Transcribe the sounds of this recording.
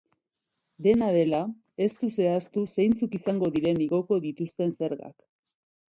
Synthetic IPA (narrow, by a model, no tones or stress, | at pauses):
d̪e̞nað̞e̞la | e̞st̪use̞ast̪use̞jnt͡sukisaŋɡo̞ðiɾe̞niɣo̞ko̞ðit̪ust̪e̞nse̞ɾɣa̰k